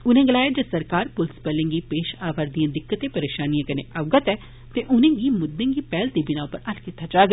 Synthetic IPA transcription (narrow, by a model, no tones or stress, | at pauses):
ʊnẽːɡəlaːjeːd͡ʒəsəɾkaːɾpʊlspɛːlẽːɡiːpeːʃaːʋaɾd̪ijãːd̪ɪkːət̪eːpəɾeːʃaːnijãːkənḛ̃ːʔaʋɡət̪ɛː | t̪eʔʊnẽːɡiːmʊd̪ːẽːɡiːpɛːlt̪iːbɪnãːõpəɾəlkit̪ːaːd͡ʒaːɡ